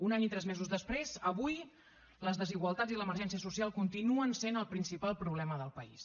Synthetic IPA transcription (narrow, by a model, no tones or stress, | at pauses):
unaɲit̪ɾɛzmezuzðəspɾezəβuj | ləzðəziɣwəlˠt̪ad͡ziləməɾʒɛnsiəsusialˠkunt̪inuənsenəlˠpɾinsipalˠpɾuβlɛməðəlˠpəḭs